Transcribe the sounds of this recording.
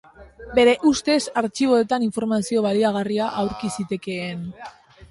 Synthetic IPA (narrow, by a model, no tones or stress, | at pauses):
be̞ɾe̞ʔust̪e̞saɾt͡ʃiβ̞o̞et̪aniɱfo̞ɾmasio̞β̞aliaɣ̞ariaʔawɾkisit̪e̞ke̞ːn